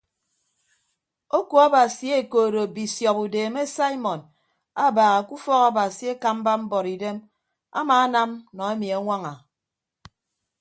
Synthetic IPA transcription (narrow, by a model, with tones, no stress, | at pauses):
o˦ku˨a˦ba˨si˨˦e˦koː˨ɾo˨bi˨sjɔ˨pu˨deː˨me˦sa˦i˦mɔ˨n | a˦˨baː˨ɣa˨ku˦fɔ˦ka˦ba˨si˨˦e˦ka˦m̩˦ba˦m̩˦bɔ˨ɾi˨de˦m | a̰˦maː˨a˦na˦mnɔ˨e˦mi˨a˨ŋʷa˦ŋa˨